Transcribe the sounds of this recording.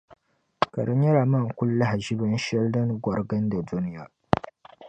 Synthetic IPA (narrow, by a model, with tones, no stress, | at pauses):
kɐ˨ɽɐ˦ɲjɐ˦ɾaː˨mɐ˦˨ŋ˨kʷʊ˦lːa˦ha˨ʒi˦bɐ˦nʃɛ˦ldɐ˦ŋɡʷɔ˨ɾɡɐ˦nda˨du˦nɪ˦jaː˨˦